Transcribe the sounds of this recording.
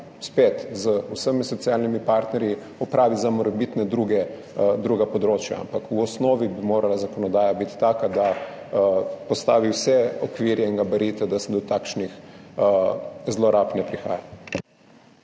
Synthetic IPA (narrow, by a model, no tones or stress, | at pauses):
speːt̪zəusəmisɔt̪sjalnimipaɾt̪nɛɾji | ɔpɾaːʋizamɔɾɛbit̪nɛd̪ɾuɡɛ | d̪ɾuːɡapɔd̪ɾoːt͡ʃja̰a̰mpakuɔsnoːʋibimoːɾalazakɔnɔd̪aːjabit̪i̥t̪aːkad̪a | pɔst̪aːʋiwsɛɔkʋiɾjɛiŋɡabɛɾiːt̪ɛd̪asɛd̪ɔt̪akʃnix | zloɾapnɛpɾixa̰ːja